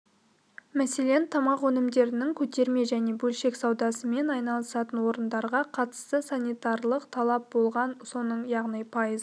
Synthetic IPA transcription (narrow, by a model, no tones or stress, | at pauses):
mæse̞le̞nt̪ʰɑmɑqwɵnɪmd̪e̞ɾɪnɪŋkʲʰɵt̪e̞ɾme̞ʒæne̞bɵlʃe̞ksɑwd̪ɑsəme̞nɑjnɑlˠəsɑt̪ənwo̞ɾənd̪ɑɾʁɑqʰɑt̪ə̥st̪əsanʲijt̪ɑɾlˠəqt̪ʰɑlˠɑp̚bo̞lˠʁɑnso̞nəɴjɑʁnijpʰɑjəzə